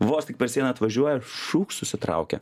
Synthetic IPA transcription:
ʋoːst̪ʲɪk̚pʲɛɾsʲiɛnʲɐɐt̪ʋɐʒʲuɔjɛʃuːkssʊsʲɪt̪ɾɑ̰ʊkʲɛ̰

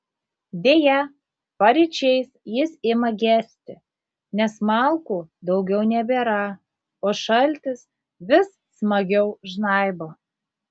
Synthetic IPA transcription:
d̪ʲeːjɛ | pɐɾʲɛt͡ʃʲɛɪsjɪsɪmɐɡʲæːsʲt̪ʲɪ | nʲɛsmɑlˠkuːd̪ɒʊɡʲɛʊnʲɛbʲeːɾɐ | oːʃɐlʲt̪ʲɪs | ʋʲɪs | smɐɡʲɛʊʒnɑˑɪboː

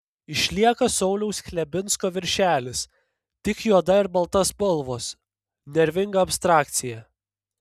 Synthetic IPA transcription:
ɪʃʲlʲiɛkɐsɒʊlʲɛʊsxʲlʲɛbʲɪnskoːʋʲɪɾʲʃʲæːlʲɪs | t̪ʲɪkjuɔd̪ɐɪɾbɐlˠt̪ɐspʊlˠʋoːs | nʲɛɾʲʋʲɪŋɡɐɐpʲst̪ɾɑːkt̪sʲɪjæ

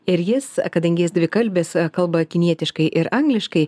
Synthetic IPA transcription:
ɪɾjɪskɐd̪ɐŋʲɡʲɪjɪsd̪ʲʋʲɪkɐlʲbʲeːskɐlˠbɐkʲɪnʲiɛt̪ʲɪʃkɐɪʔɪɾɐŋɡlʲɪʃkɐɪ

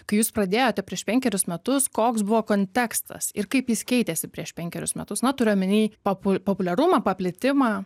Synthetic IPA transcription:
kɐɪjuːsprɐd̪ʲeːjoːt̪ʲɛpʲɾʲiɛʃpʲɛŋʲkʲɛɾʲʊsmʲɛt̪ʊskoːksbʊʋoːkoːnʲt̪ʲɛkst̪ɐ̰sɪrkɐɪpjɪskʲɛɪt̪ʲesʲɪpʲɾʲiɛʃpʲɛŋʲkʲɛɾʲʊ̰smʲɛt̪ʊsnɐt̪ʊɾʲejomʲɪnʲiːpopʊpopʊlʲɛɾʊmɑpɐpʲlʲɪt̪ʲɪmɑː

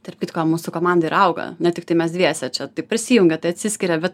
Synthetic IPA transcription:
t̪ɛɾʲp̚ʲkʲɪt̪koːmuːsʊkoːmɑnd̪ɐiɾɐʊɡɐ̰nʲɛt̪ʲɪkt̪ɐɪmʲɛsd̪ʲʋʲiɛsʲɛt͡ʃʲɛt̪ɐɪpʲɾʲɪsʲiːjʊŋʲɡʲɛt̪ɐɪɐt̪ʲsʲɪsʲkʲɪɾʲɛbʲɛt̪

